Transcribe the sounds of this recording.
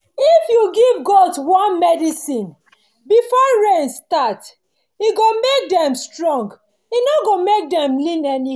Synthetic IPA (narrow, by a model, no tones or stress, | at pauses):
ifjuɡivɡɔdswɔ̃nmɛdisĩn | bifɔɹẽnstat | iɡomek̚dɛ̃mstɹɔ̃ŋɡ | inɔɡomek̚dɛ̃mlĩnɛni